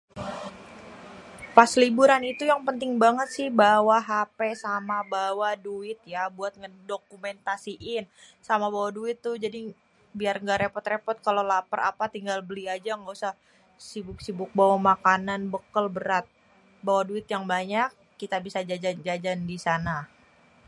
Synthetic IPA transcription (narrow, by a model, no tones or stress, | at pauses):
paslibuɾanit̪ujaŋpənt̪ɪŋbaŋət̪sɪhbawaɦapesamabawaduɪt̪̚jabuat̪̚ŋəndokumɛnt̪asiʔɪnsamabawaduɪt̪ːʊd͡ʒadi | biarŋɡaɾepɔt̪repɔt̪̚kalolapəɾa̰pat̪iŋɡalbəliad͡ʒaŋɡausah | sibʊk̚sibʊk̚bawamakananbəkəlbəɾat̪̚ | bawaduɪt̪jaŋbaɲak̚ːit̪abisad͡ʒad͡ʒand͡ʒad͡ʒandisana